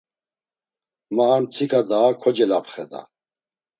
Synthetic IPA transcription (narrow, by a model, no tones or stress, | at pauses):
maːnt͡sʰikʰad̪aːkʰɔd͡ʒɛlapχɛd̪a̰